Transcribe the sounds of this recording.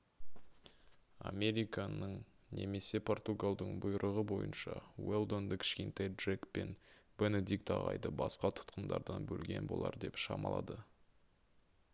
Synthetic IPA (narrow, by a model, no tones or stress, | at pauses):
ame̞ɾʲijkɑnəɴ | ne̞me̞se̞pʰo̞rt̪uɡalˠd̪əɴbʊjɾʔəʁəbo̞jənʃɑwelˠd̪ond̪əkʲʰɪ̥ʃkʲent̪ejd̪rekpenb̥ened̪ikt̪ɑ̰ʁɑ̰jd̪əbɑsqɑt̪ʰʊ̥t̪̚qənd̪ɑɾd̪ɑnbɵlɡʲe̞̰nbo̞lˠɑɾd̪e̞pʃɑmɑlˠɑd̪ə